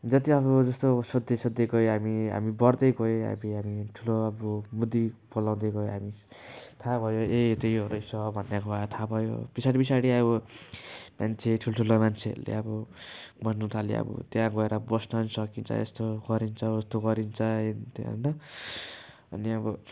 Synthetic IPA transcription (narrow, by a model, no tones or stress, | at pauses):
d͡zʌt̪iʌbʌd͡zʌst̪osʌd̪esʌd̪jekʌeɦamiɦa̰mibʌrd̪ʌjkoɦa̰biɦamiʈʰuloʌbomud̪ipʌlaw̃d̪ʌjɡʌeɦami | t̪ʰabʱʌjoet̪ʌjoɾʌjsʌbʱʌnjakoat̪ʰabʱʌjo̰pisaɽipisaɽiʌbʌ | mant͡sʰeʈʰuloʈʰulomant͡sʰḛrlḛʌbʌbʌnnut̪ʰalḛʌ̰bʌ̰t̪jãɡʌeɾʌbʌsnnisʌkint͡sʰʌ̰ḛst̪oɡʌɾint͡sʰʌest̪oɡʌɾint͡sʰʌent̪ʌ̰nʌ | ʌ̰niʌbʌ